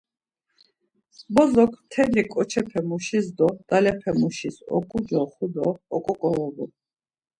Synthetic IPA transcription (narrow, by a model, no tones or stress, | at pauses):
bɔzɔkʰt̪ʰɛlikʼɔt͡ʃʰɛpʰɛmuʃizd̪ɔd̪̥alɛpʰɛmuʃisɔ̰kʼud͡ʒɔχud̪ɔːkʼɔkʼɔvɔbu